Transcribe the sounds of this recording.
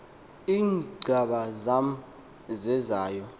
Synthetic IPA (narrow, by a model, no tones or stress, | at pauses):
iːŋɡ͡ǀʱaɓazam̩ | zɛzaːjɔ